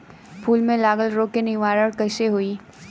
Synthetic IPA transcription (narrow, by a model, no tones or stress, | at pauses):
pʰuːlmẽlaːɡəlɾoːkenɪʋaːɾəɽkəʃeɦui